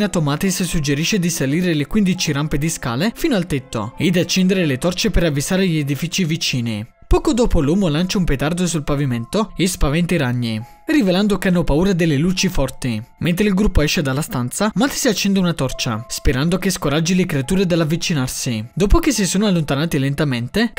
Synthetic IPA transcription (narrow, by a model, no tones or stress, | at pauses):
nat̪omaːt̪issud͡ʒeɾiʃːed̪isaliːɾelekwind̪it͡ʃiɾamped̪iska̰ːlefiːnoalt̪et̪ːo̰ed̪at͡ʃːɛnd̪eɾelet̪ɔrt͡ʃepeɾavːisaːɾeʎied̪ifiːt͡ʃivit͡ʃiːnḭ | pɔːkod̪oːpoluːmolant͡ʃaumpet̪ard̪osulpaviment̪oespavɛnt̪iɾaɲːi | riveland̪okeanːopauːɾad̪elːelut͡ʃifɔrt̪iment̪ɾeilɡɾupːoɛʃːed̪alːast̪ant̪samat̪i̥siat͡ʃːɛnd̪eunat̪ɔrt͡ʃa̰speɾand̪ok̟eskoɾad͡ʒilekɾeat̪uːɾed̪elːavːit͡ʃinarsid̪oːpok̟esːisoːnoalːont̪anaːt̪ilent̪ament̪e